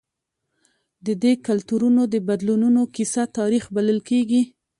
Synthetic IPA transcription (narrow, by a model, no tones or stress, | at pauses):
d̪əd̪ekalt̪uɾunod̪əbad̪lununokisat̪ɑɾixbaləlkeɡi